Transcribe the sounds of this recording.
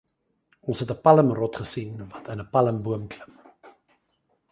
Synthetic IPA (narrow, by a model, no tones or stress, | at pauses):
ɔnsɦɛtəpɐləmrɔtχəsinvɐtʰənəpɐləmbuəmkləm